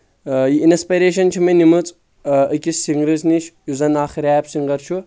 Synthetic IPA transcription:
jiinɐspɐɾeːʃɐnt͡ʃʰimɐnimut͡sʼ | əkʲissiŋɡɾɨzniʃʰjuzɐnaːxiɾaːjɐpsiŋɡɐɾt͡ʃʰu

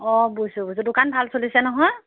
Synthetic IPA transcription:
ɔbujsʊbujs̬udʊkanbʱalsolisɛnɔɦɔj

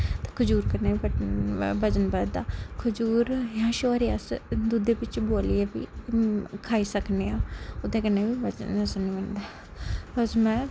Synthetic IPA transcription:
t̪e̥ːkʰʊd͡ʒuːɾkəneːiːbəbəd͡ʒənbəːd̪aːkʰʊd͡ʒuːɾjãːʃoːɾeəsd̪ud̪eːbɪt͡ʃboːlieːbḭː | kʰaːiːsəkneːãːʊt̪ẽːkəneːbiːbəd͡ʒə̰nəsənʋənd̪ɛː | pəsmɛ̃ː

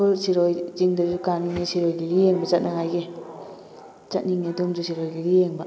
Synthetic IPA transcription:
ɔsiɾojziŋdad͡ʒukaniŋesiɾojɡiɾijeŋbazat̚naŋajɡe | t͡ʃat̚niŋedɔmd͡ʒusiɾojɡiɾijeŋba

